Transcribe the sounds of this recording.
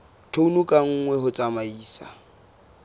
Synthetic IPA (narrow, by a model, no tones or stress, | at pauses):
tʰounukʼaŋ̩ːŋwɛɦʊt͡sʼamaiːsa̰